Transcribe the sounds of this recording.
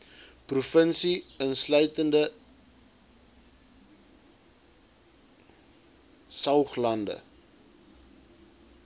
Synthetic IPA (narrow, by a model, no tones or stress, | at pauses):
prufənsiənslœɥtəndə | sɐwχlɐndə̰